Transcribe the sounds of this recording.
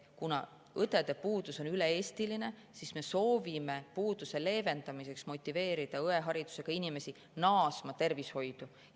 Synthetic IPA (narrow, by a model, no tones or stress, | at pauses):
kunɑ̰ | ɤt̪e̞d̪̥e̞puːd̪̥uso̞nyle̞eːst̪iline̞ | sisme̞so̞ːvime̞puːd̪̥use̞le̞ːve̞nd̪ɑmise̞ksmo̞t̪ʲːˑive̞ːɾid̪̥ɑɤe̞ɦɑɾid̪̥u̥se̞ɡ̥ɑinime̞si | nɑːsmɑt̪e̞rvisho̞jd̪̥u